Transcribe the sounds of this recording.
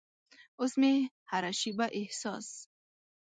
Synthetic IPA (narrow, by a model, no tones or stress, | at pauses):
usmi | haɾaʃibaʔihsɔs